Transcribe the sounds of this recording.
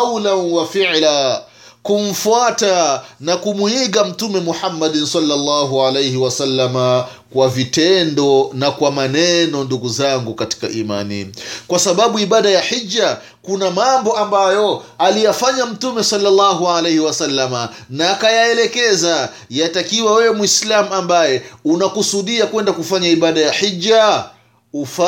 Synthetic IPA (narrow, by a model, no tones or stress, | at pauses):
wlanwafiʕla | kum̩fuatanakumwiɠam̩tumɛmuħamːaɗnsalːalˤːaɦuʕalejhiwasalːama | kwavitɛndɔnakwamanɛnɔnduɡuzaŋɡukati̥ka̰ʔima̰nḭkwasaɓaɓuiɓaɗajaħid͡ʒːa | kunamambɔʔambajɔalijafaɲam̩tumɛsɔlːalːaɦuʕalejhiwasalːama | naːkajaɛlɛkɛza | jatakiwawɛwɛmwislamuambajɛunakusuɗiakwɛndakufaɲaiɓaɗajaħid͡ʒːa | ufa